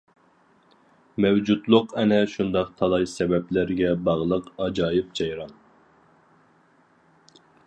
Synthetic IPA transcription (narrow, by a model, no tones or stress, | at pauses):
mɛwd͡ʒut̪lˠʊqɛnɛʃund̪ɑqt̪ʰɑlˠɑjsɛbɛplɪɾɡʲɛbɑʁlˠəqɑd͡ʒɑːjɨp̚d͡ʒɑjɾɑn